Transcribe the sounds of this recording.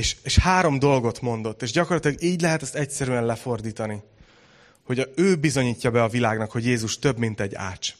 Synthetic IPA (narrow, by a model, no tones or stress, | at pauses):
eːʃeːʃhaːɾo̞md̪o̞lɡo̞t̪mo̞n̪d̪o̞t̪ːeːʒɟɒko̞rlɒt̪ilɒɡiːɟlɛɦɛt̪ɛst̪ɛc̚sɛɾyɛnlɛfo̞rd̪iːt̪ɒni | ho̞ɟɒøːbizo̞ɲiːcːɒbɛɒvilaːɡnɒkho̞ɟjeːzuʃt̪ø̞bmint̪ɛɟːa̰ːt͡ʃ